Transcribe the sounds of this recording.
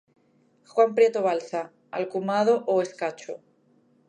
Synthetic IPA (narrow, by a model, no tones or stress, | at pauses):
xwampɾjet̪oβalθa | alkumað̞oʔoeskat͡ʃo